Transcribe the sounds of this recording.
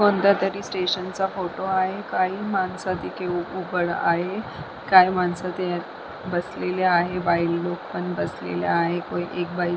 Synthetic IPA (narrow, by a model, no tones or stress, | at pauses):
kond̪ʱat̪əɾiːsʈeɕənt͡safoʈoaɦekaɦiːmansat̪ikʰeubəɽa̰ɦe | kajmansat̪j | bəsleleaɦebajlːok̚pəɳbəslḛlja̰aɦekoiʔek̚bai